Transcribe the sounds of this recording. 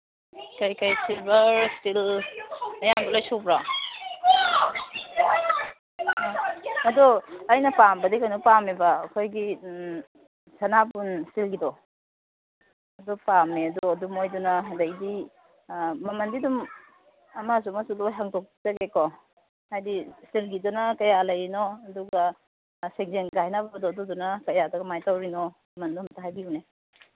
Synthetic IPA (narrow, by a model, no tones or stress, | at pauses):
kajkajsilbɐstil | ɐjambɐlojsopɾa | ɐdɔɐjnɐpambɐdikajnupamebɐːkʰojɡi | sɐnapunsilɡidɔ | ɐdupameɐdɔɐdumojdunɐɦajdɐjdi | mɐmɐndidum | ɐmas̬umɐsulojɦaŋtok̚zɐɡekɔ | hajdisilɡidɔnɐkɐjalɐjinɔɐduɡa | seŋzeŋɡaɦjnabɐbɐdɔːdudunɐkɐjadɐɡɐmajtawɾinɔmɐmɐndumtaɦajbiune